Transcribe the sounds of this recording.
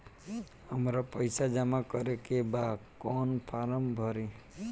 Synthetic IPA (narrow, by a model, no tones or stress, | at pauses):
həmɾapəɪsad͡ʒəmakəɾekebaːd̪kɔːnpʰaːɾəmbʱəɾi